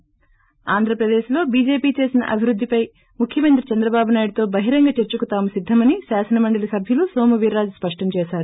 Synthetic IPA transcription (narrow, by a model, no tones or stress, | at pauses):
aːnd̪ʱɾɐpɾɐd̪eːʃlo̞ːbiːd͡ʒe̞ːpiːt͡ʃe̞ːsinɐ̰ʔɐbʱiɾud̪ʱːipɐj | mukʰjɐmɐnt̪ɾit͡ʃɐnd̪ɾɐbaːbunaːjiɽt̪o̞ːbɐɦiɾɐŋɡɐt͡ʃeɾt͡ʃukut̪aːmusid̪ʱːɐmɐnisaːsɐnɐmɐɳɖɐlɐsɐbʱjɐlusoːmɐʋiɾːaːd͡ʒuspɐʂʈɐmt͡ʃɛːʃaːɾu